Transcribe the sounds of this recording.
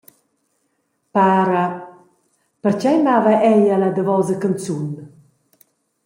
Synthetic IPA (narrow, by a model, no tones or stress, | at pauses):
paːɾa | pəɾt͡ʃɛjmavaʔɛjalad̪əvɔzəkənt͡sun